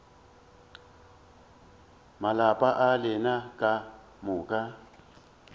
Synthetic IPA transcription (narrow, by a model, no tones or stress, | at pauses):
malapʼaʔalɪnakʼa | mʊːkʼa